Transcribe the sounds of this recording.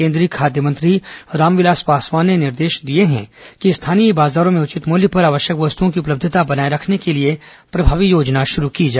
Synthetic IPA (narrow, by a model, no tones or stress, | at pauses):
ẽːnd̪ɾiːkʰaːd̪jəmɐ̃nt̪ɾiɾaːmʋɪlaːspaːswaːnːenɪɾd̪eːʃd̪ieɦɛ̰̃kist̪ʰaːnibaːzaːɾõmẽʊt͡ʃɪt̪moːljəpɐɾaːʋəʃjəkʋɐst̪uõkiʊpləb̚d̪ʱət̪abɐnaːiɾɐkʰnekelie | pɾɐbʱaːʋijoːd͡ʒnaʃʊɾukid͡ʒaː